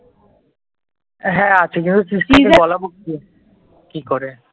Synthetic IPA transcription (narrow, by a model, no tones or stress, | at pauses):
ɦɛ̃at͡ɕʰekint̪usiskiebɔlaboki | kikoɾe